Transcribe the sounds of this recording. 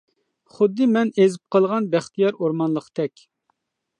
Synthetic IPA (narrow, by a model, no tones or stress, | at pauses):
χʊd̪ːɨmɛnezɪp̚qʰəlˠʁɑnbæχt̪ʰijɑɾoɾmɑnlˠəqt̪ʰɛkʲ